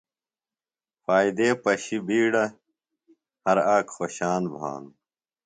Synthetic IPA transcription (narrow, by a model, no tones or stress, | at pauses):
faːid̪eːpɐɕibiːɽɐ | hɐɾaːkxoɕaːnbʱa̰ːnu